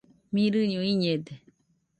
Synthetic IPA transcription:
mĩɾɨɲũiɲed̪e

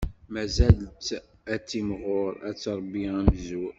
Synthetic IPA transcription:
mæzælt͡sæt͡sːimʁoɾˤæ̰t͡sːɾˤbːiæmzu

